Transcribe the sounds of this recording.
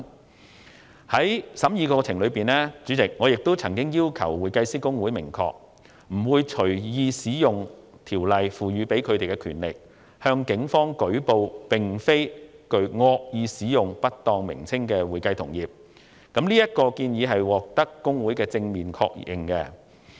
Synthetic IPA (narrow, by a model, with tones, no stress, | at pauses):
hɐ˨˥jsɐ˨˥mjiː˧kɔː˧t͡sʰɪ˨˩ŋlɵ˨˧ɥpiː˨nlɛː˥t͡ʃyː˨˥t͡sɪ˨k̚ŋɔː˨˧jɪ˨k̚t̪o˥wt͡sʰɐ˨˩ŋkɪ˥ŋjiː˥wkʰɐ̰˨˩wwuː˨jkɐ˧jsiː˥kʊ˥ŋwu˨˥jmɪ˨˩ŋkʰɔ̰ː˧k̚ | m̩˨˩wuː˨˧jt͡ʃʰɵ˨˩ɥjiː˨˧siː˨˥jʊ˨ŋ | t̪ʰiː˨˩wlɐ˨jfuː˨ɥyː˨˧pe˨˥jkʰɵ˨˧ɥt̪e˨jkɛ˧kʰyː˨˩nlɪ̰˨k̚ | hœː˧ŋkɪ˨˥ŋfɔː˥ŋkɵ˨˥ɥpo˨˧wpɪ˨ŋfe˥jkɵ˨˧ɥŋɔː˧k̚jiː˨˧siː˨˥jʊ˨ŋpɐ˥t̚t̪ɔː˧ŋmɪ̰˨˩ŋt͡sʰɪ˥ŋkɛː˧wuː˨jkɐ˧jt̪ʰʊ˨˩ŋjiː˨˩p̚ | kɐ˨˥mliː˥jɐ˥t̚kɔː˧kiː˧njiː˨˧ɦɐ˨jwɔː˨˩k̚t̪ɐ˥kːʊ˥ŋwuː˨˥jkɛː˧t͡sɪ˧ŋmiː˨˩nkʰɔ̰ː˧k̚ʔɪ̰˨˩ŋkɛ˧